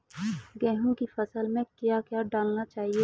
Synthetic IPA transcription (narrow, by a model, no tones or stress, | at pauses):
ɡɛːɦũkifɐsəlmẽkjaːkjaːɖaːlnat͡ʃaːɦieː